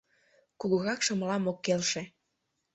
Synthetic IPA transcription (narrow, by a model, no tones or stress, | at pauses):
kuɣəɣɑkʃəməlɑmokːelʃe